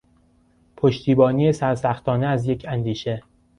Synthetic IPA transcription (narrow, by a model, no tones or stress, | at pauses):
pʰoʃt̪ʰiːbɒːniːe̞sæɾsæxt̪ʰɒːneæzje̞cʰænd̪iːʃe̞